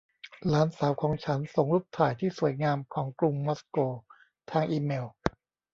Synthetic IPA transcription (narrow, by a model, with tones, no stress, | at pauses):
laː˨˦˥nsaː˩˦wkʰɔː˩˦ŋt͡ɕʰa˦˥nso˨˩ŋɾuː˥˩p̚t̪ʰaː˨˩jt̪ʰiː˥˩su˨˩əjŋaː˧mkʰɔː˩˦ŋklu˧ŋmɔ˦˥skoː˧ | t̪ʰaː˧ŋʔiː˧meː˧w